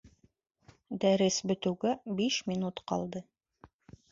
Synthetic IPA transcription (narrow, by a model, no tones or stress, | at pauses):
d̪æɾɘsbɵ̆t̪ɵ̆wɡæbiʃmʲinut̪qɑ̰lˠd̪ɤ